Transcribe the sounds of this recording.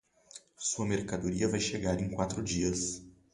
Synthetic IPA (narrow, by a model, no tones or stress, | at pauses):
suɐmeɾkad̪oɾiɐvajʃeɡaɾẽj̃kwat̪ɾʊd͡ʒiɐs